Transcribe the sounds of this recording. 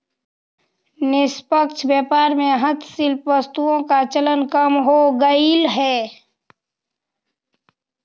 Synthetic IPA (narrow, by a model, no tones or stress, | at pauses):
nɪspəkt͡ʃʰbɛːpaːɾmẽɦət̪ʰsɪlpʋəst̪uõkat͡ʃələnkəmɦoɡəilɦɛː